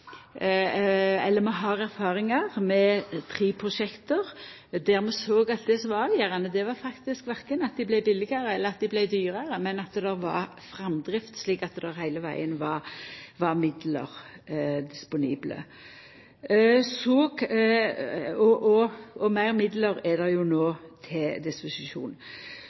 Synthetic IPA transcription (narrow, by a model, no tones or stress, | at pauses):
ɛlːəɾmɛɦɑɾæɾfɑːɾɪŋɑʁmɛt̪ʰɾiːpʰɾʊʂɛkt̪əɾ | d̪æɾmɛsoːɡɑt̪̚d̪ɛsɔmʋɑʋɪjæɾɑnəd̪ɛʋɑɾfɑkt̪ɪskʋæɾkənɑt̪̚d̪ɪblæɪbɪlːɪɡəɾəɛlːəɾɑt̪̚d̪ɪblæɪd̪yːɾəɾəmɛnɑt̪d̪ɛɾʋɑ̰ɾ | fɾɛmd̪ʁɪft̪sliːkɑt̪d̪ɛɾhæɪləʋæ̰ɪənʋɑɾʋɑɾmɪd̪lə̰ʁ | d̪ɪspʊniːblə̰ | sɔ | ɔʔɔɔmæɪʁmɪd̪ləɾɛd̪ɛjʊnoːt̪ʰɪld̪ɪspʊsɪʃṵːn